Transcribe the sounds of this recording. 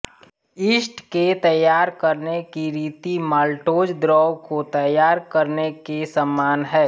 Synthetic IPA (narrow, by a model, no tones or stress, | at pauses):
ɪsʈket̪əjːaːɾkəɾnekiɾiːt̪imaːlʈoːd͡ʒd̪ɾɔːwkot̪əjaːɾkəɾnekesəmːaːnɦɛː